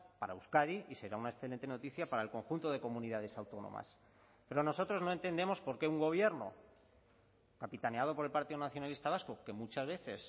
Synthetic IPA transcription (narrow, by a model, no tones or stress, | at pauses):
paɾauskaðiise̞ɾaunaesθelent̪e̞no̞t̪iθjapaɾae̞lko̞ŋxunt̪o̞ðe̞ko̞mũniðað̞e̞sawt̪o̞no̰ma̰s | pe̞ɾo̞no̞so̞t̪ɾo̞zno̞e̞nt̪e̞nd̪e̞mo̞spo̞ɾke̞uŋɡo̞β̞je̞ɾno̞̰ | kapit̪ane̞að̞o̞po̞ɾe̞lpaɾt̪iðonaθjo̞nalist̪aβ̞asko̞ke̞mut͡ʃazβ̞e̞θe̞s